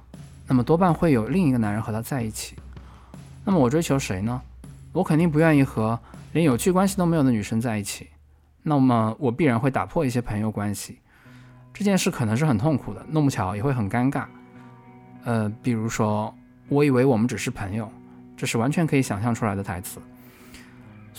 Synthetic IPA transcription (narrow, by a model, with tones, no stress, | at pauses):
na˥˩mə˩t̪wɔ˥pa˥˧nxwe˥˩ɪjo˨˩ʊli˥˩ŋi˧˥ɡə˧na˧˥nɻə˧˥nxɤ˧˥t̪ʰa˥t͡sa˥˧ɪi˥˩t͡ɕʰi̥˨˩˦ | na˥˩mə˩wɔ˨˩ʈ͡ʂwe˥ɪt͡ɕʰjo˧˥ʊʂe˧˥ɪnə˧wɔ˧˥kʰə˨˩nt̪i˥˩ŋp̬u˧˥ɥɛ˥˧ni˥˩xɤ˧˥ljɛ˧˥njo˨˩ʊt͡ɕʰy˥˩kwa˥nɕ̬i˨t̪o˥me˧˥jd̪ny˨˩ʂə˥ŋt͡sa˥˧ɪi˥˩t͡ɕʰi˨˩˦ | na˥˩mə˩wɔ˨˩pi˥˩ɻa˧˥nxwe˥˩ɪt̪a̰˨˩pʰwɔ˥˧i˥˩ɕjɛ˥pʰɤ˧˥ŋjo˧kwa˥nɕi˨˩ | ʈ͡ʂɤ˥˧t͡ɕjɛ˥˧nʂɻ̩˥˩kʰɤ˨˩nɤ˧˥ŋʂ̬ɻ̩˥˩xə˨˩nt̪ʰʊ˥˩ŋkʰu˨˩d̪ə̰˦no˥˧ŋpu˥˩t͡ɕʰjɑ˧˥ʊjɛ˨˩xwe˥˩ɪxə˨˩ka˥nka˥˩n | ə˧pi˨˩ɻu˧˥ʂwɔ˥ | wɔ˧˥i˨˩we˧˥ɪwɔ˨˩mə˦nʈ͡ʂɻ̩˨˩ʂɻ̩˥˩pʰə˧˥ŋjo˨˧ʊ | ʈ͡ʂɤ˥˧ʂɻ̩˥˩wa˧˥nt͡ɕʰɥɛ˧˥nkʰɤ˧˥i˧˥ɕjɑ˨˩ŋɕjɑ˥˩ŋʈ͡ʂʰu˥la˧˥ɪd̪ə˧t̪ʰa˧˥ɪt͡sɹ̩˧˦